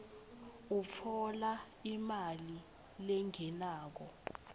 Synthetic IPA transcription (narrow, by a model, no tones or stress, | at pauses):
ufʰɔla | imali | lɛŋɛnaːk̬ɔ